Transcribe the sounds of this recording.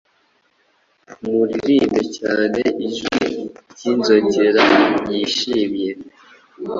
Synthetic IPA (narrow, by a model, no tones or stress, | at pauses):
muɾiɾiːmbecaːneiʒwiɟiːnzoɟeɾajiʃiːmje̞